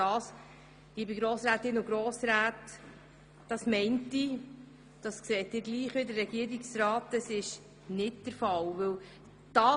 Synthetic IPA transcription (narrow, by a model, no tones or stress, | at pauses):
ɑːs | liːbɪɡɾoːsɾaːtɪnʊɡɾoːsɾæːt | d̥ɑsmɛɪnti | d̥ɑskseːt̚dɪːɾɡliːχʋɪdərːɛɡiəɾiksɾɑːtəsɪʃ | nɪtd̥əɾfɑwʋɵw | d̥ɑː